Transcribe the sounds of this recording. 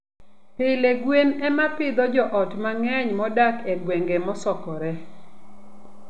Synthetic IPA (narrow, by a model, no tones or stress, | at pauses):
pɪleɡwenɛmapɪd̪ɔd͡ʒɔʔɔtmaŋɛɲmɔdakɛɡweŋɡemɔsɔkɔɾɛ